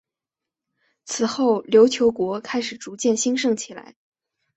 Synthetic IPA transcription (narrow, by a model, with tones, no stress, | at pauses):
t͡sʰɹ̩˨˩xo˥˩ʊljo˧˥ʊt͡ɕʰjo˧˥ʊkwɔ˧˥kʰa˥ɪʂɻ̩˨˩ʈ͡ʂu˧˥t͡ɕjɛ˥˩nɕi˥ŋʂɤ˥˩ŋt͡ɕʰi˨˩la̰˧˥ɪ